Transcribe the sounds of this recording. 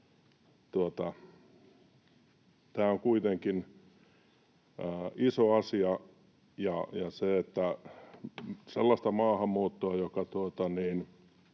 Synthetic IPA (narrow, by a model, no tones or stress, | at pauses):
t̪uot̪ɑ | t̪æːoŋkuit̪eŋkin | əːisoɑsiɑ | jɑjɑseet̪ːæ | selːɑst̪ɑmɑːhɑmːuːt̪ːoɑjokɑt̪uot̪ɑniːn